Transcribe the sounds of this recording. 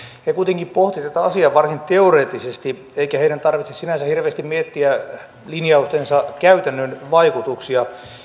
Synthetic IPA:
hekuit̪eŋkippoht̪it̪æt̪æɑsiɑʋɑrsint̪eoreːt̪ːˑisest̪i | eikæheiɾænt̪ɑrʋit̪sessinænsæhirʋeːst̪immiet̪ːiæ | linjɑust̪ensɑkæyt̪ænːønʋɑikut̪uksiɑ

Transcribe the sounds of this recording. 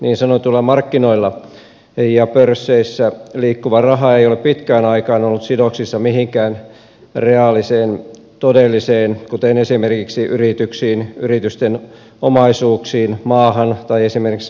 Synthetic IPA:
niːnsɑnot̪ulːɑmɑrkːinoilːɑ | jɑpørsːeisːæliːkːuʋɑrɑɦɑeijoleppit̪kæːnɑikɑːnolːut̪sidoksisːɑmihiŋkæːn | reɑlːˑiseːn | t̪odelːiseːnkut̪enesimerkiksiʔyrit̪yksiːnyrit̪yst̪en | omɑisuːksiːnmɑːhɑnt̪ɑiesimerkiks

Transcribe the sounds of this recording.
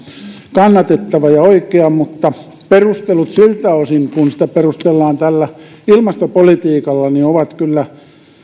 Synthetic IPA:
kɑnːɑt̪et̪ːɑʋɑjɑoikeɑmut̪ːɑ | perust̪elut̪silt̪æosiŋkunsi̥t̪æperust̪elːɑːnt̪ælːæ | ilmɑst̪opolit̪iːkɑlːɑnioʋɑt̪kylːæ

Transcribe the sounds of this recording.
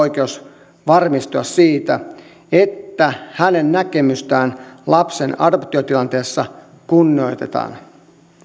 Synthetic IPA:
ojk̟eus | ʋɑrmist̪uɑssiːt̪æ | e̞t̪ːæhæne̞nːæke̞myst̪æːnlɑpse̞nɑ̰do̞pt̪io̞t̪ilɑnt̪eːsːɑ | kunːio̞jt̪e̞t̪ɑ̰ːn

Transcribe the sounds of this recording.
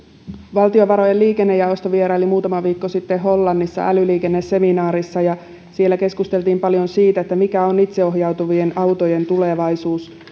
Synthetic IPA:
ʋɑlt̪io̞ʋɑɾo̞jeliːkenːejɑost̪oʋie̞ɾɑelimuːt̪ɑmɑʋiːkːo̞sit̪ːeɦo̞lːɑnːisːɑ̰ʔælyliːke̞nːese̞minɑːɾisːɑjɑ | sie̞lːæke̞skust̪e̞lt̪iːmpɑljo̞nsiːt̪æet̪ːæmikæo̞nit̪seo̞ɦjɑwt̪uʋie̞nɑwt̪o̞je̞nt̪ule̞ʋɑjsuːs

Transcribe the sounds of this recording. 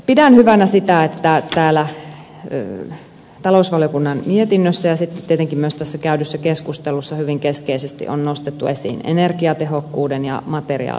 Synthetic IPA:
pidænhyʋænæsit̪æet̪ːæt̪æːlæ | t̪ɑlousʋɑljokunːɑnmiet̪inːøsːæjɑsit̪ːe̥t̪t̪ːiet̪eŋkimyøst̪æsːækæydysːækeskust̪elusːɑhyʋiŋkeskeisest̪ḭʔo̰nnost̪et̪ːuesḭːnḛnerkiɑt̪ehokːuːdenjɑ̰mɑt̪erḭɑ̰ːl

